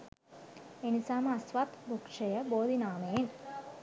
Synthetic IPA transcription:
eːnisaːməasʋat̪bʱukʂɐjəboːd̪ʱinaːməjen

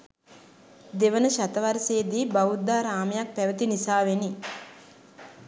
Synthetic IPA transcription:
d̪eʋənəʃat̪əʋaɾseːd̪iːbaud̪ːaːɾaːməjak̚pæʋət̪inisaːʋeni

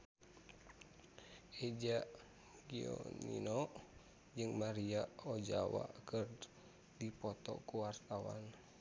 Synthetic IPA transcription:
ɛd͡ʒaʔ | ɡiɔ̰nḭnɔʔ | d͡ʒɨŋmaɾiaod͡ʒa̰wa̰kɨr | dipɔt̪ɔ̰kuwart̪awa̰n

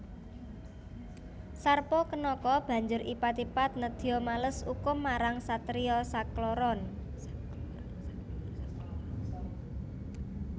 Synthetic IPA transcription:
sarpɔkənɔkɔb̥a̤ɲd͡ʒʊɾipat̪ipat̪̚nəd̪̥i̤ɔmaləsukʊmːaɾaŋsat̪ɾiɔsaklɔɾɔn

